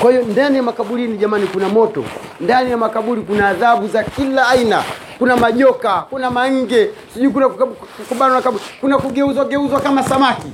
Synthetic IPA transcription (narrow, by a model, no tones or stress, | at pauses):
kwahijɔndanijamakaɓuɾiniʄamanikunamɔtɔ̰ | ndanijamakaɓuɾikunaːðaɓuzakilaːina̰ | kunamaʄɔkakunamaŋ̩ɡɛsiʄuik̬unakkukuɓalanakaɓuɾikunakuɡɛuzwaɡɛuzwakamasamaki